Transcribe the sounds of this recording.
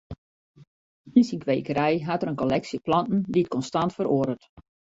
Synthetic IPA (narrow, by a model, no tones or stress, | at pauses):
insiŋkʋejkəɾɛjɦatəɾənkɔlɛksəplɑntn̩diət̚kɔnstantfəɾoədət